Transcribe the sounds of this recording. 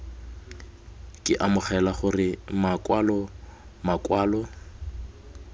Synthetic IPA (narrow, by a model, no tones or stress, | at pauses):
kʼɪʔamʊχɛlaχʊrɪmakʼwalɔmakʼwaːlɔ